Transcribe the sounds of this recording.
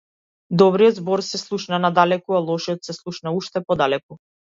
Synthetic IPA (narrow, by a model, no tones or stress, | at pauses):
d̪ɔbɾijɔd̪zbɔɾsɛslˠuʃnanad̪alɛkualˠɔʃɔt̪sɛslˠuʃnauʃt̪ɛpɔd̪alɛku